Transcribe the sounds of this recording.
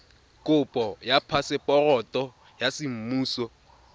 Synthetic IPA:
kʼʊpʼɔjapʰasɪpʼɔrɔtʼɔ | jasɪm̩muːsɔ

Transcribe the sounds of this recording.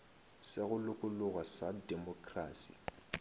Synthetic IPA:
sɪɣʊlʊkʼʊlʊɣasadɛmɔkʼraːsḭ

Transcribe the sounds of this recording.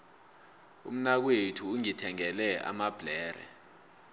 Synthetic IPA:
ṵm̩nak̬wetʰuːŋitʰɛŋɛlɛa̰mab̥ʱlɛːɾɛ̰

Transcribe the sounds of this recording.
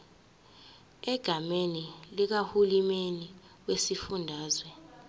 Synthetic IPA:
ɛɡ̥ʱamenilik̬ahulimeni | wesifundʱaːzwɛ

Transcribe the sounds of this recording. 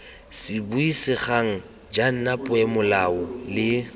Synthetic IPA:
sɪbuisɪχaŋ̩ | d͡ʒan̩napʼʊɛmʊlaʊlɪ

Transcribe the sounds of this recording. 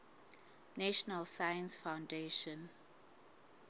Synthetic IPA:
nɛʃɔnalsajə̃nsfãwndeʃɔ̃n

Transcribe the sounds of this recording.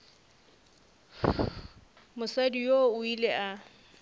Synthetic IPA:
mʊsadijoʊileʔa

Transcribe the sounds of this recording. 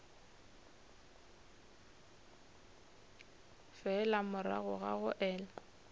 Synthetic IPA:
fɛlamʊɾa̰ɣʊɣa̰ɣʊʔɛːla

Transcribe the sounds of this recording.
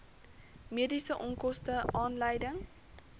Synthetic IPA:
miədisəʔɔŋkɔstəʔɑːnləjdəŋ

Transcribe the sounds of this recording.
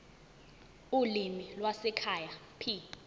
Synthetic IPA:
ulimilwasɛkʰajapʰi

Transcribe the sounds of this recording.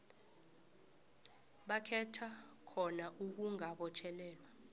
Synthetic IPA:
ɓakʰɛtʰakʰɔnaʔuk̬uŋaɓɔt͡ʃʰɛlɛːlwa

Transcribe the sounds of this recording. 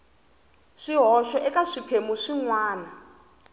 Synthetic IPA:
ʂiɦɔʃɔʔɛkaʂipʰemuʂiŋwaːna

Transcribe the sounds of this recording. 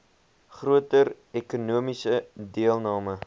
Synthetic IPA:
χruətər | ɛkunuəmisədiəlˠnɑːmə

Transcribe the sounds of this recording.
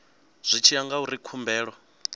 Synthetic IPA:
z̥ʷit͡ʃʰiaŋɡauɾikʰumbɛːɺɔ

